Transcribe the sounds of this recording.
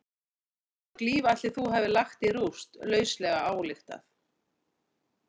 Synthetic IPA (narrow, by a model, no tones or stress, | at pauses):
ɔkliːvaht̪ɪθuɦavɪlaxt̪irust̪lœːɥslɛɣaaːwlɪxt̪a̰θ